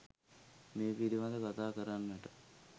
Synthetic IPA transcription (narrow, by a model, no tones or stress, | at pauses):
meːpiɾiʋad̪əkat̪aːkəɾanːəʈə